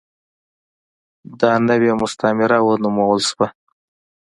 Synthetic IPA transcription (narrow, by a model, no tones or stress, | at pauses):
d̪ɑnəwemʊst̪amɪɾawənumowəlʃwa